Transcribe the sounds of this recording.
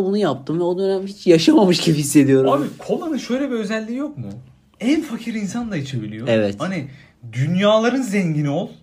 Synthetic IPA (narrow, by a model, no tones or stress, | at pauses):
bunujap̚t̪ʰɯmvɛo̞d̪ø̞næmɦit͡ʃjaʃamamɯʃɟibhisːe̞d̪ijo̞ɾuabikʰo̞lˠanɯʃø̞jlʲebiø̞zælʲːiːjo̞kmʊ | ænfacʰiɾinsand̪ˠait͡ʃʰe̞bilʲijo̞evɛt̪hani | d̪ynjaːlˠaɾɯnzɛɲɟinio̞lˠ